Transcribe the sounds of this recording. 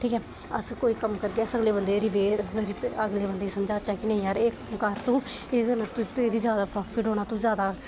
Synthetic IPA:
ʈʰiːkɛː | ə̰skoːiːkəmkəɾɡeːsəɡleːbənd̪eːɾiːʋeːɾɾiəɡleːbənd̪eːsəmd͡ʒaːt͡ʃaːkɪnẽĩːjaːɾeː | kəɾt̪õː | eːdnaːt̪ut̪eːd̪iːzjaːd̪aːpɾɔːpʰiːʈoːnaːt̪ũːzjaːd̪aː

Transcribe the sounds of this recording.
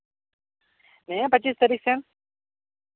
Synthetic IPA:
nepɐt͡ʃːiːst̪ɐɾiːksen

